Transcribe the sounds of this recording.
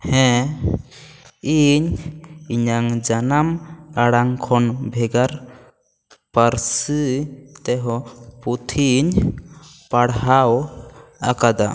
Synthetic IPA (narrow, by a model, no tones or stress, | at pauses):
hɛ̃ | iɲiɲaŋd͡ʒanamaɽaŋkʰɔnbʱɛɡaɾ | pəɾsɨt̪ɛɦɔput̪ʰiɲ | paɽɦaw | akad̪a̰